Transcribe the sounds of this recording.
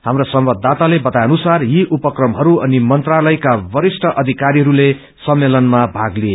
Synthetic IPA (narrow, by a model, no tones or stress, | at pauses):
ɦamrosʌmbʌd̪ʱːat̪alebʌt̪ajʌnusarjiʔupʌkrʌmɦʌɾuʌnimʌnt̪ralʌjkabʌɾisʈʰʌʔʌd̪ʱikaɾiɦʌɾule | sʌmːelʌnmabʱaɡlie